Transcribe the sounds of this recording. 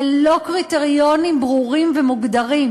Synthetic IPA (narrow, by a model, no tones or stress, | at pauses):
lokʁit̪eʁijonimbʁuʁimvemuɡd̪ɐʁim